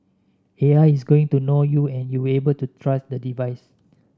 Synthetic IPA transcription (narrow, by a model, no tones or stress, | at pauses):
eaɪisɡoɪ̃ŋtunojuɛ̃njuwebəltutʰɹasdədivaɪs